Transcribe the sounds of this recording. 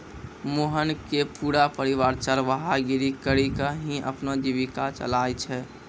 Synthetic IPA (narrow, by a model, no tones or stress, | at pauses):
moɦənkepuːɾapəɾiʋaːɾt͡ʃaɾʋəɦaɡiɾikəɾikaɦĩʔə̰pnad͡ʒiʋikat͡ʃə̰lajt͡ʃʰɛ